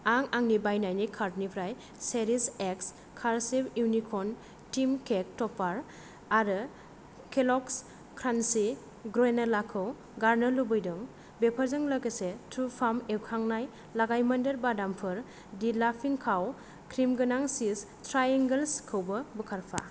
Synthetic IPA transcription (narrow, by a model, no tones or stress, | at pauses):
aŋaŋnibajnajnikʰaɾtnipʰɾaj | seɾiseks | kʰaɾsepuwnikʰɔn | timkek̚tɔpʰaɾ | aɾɯ | kʰelɔks | kʰɾansi | ɡɾenalakʰɯw | ɡaɾnɯlubɯjdɯŋ | bepʰaɾzɯŋlaɡɯsetʰupʰamewkʰaŋnaj | laɡajmɐndɯɾbadampʰɯɾ | dilapʰiŋkʰaw | kʰɾimɡɯnaŋsis | tɾajeŋɡelskʰɯwbɯbɯkʰaɾpʰa̰